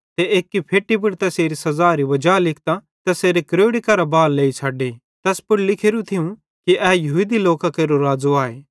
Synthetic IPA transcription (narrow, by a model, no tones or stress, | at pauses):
t̪eeːkːipʰeːʈːip̬ʊɽt̪ɛseːɾisɐzaːɾiʋɐd͡ʒaːlɪk̚ʰt̪a | t̪ɛseːɾekɾoːɽikɐɾabaːlːeːit͡ʃʰaːɖeː | t̪ɛspʊɽlɪkʰeːɾũt̪ʰɪũ | kiʔɛːjɐɦud̪iloːkakeːɾoɾaːzuaːeː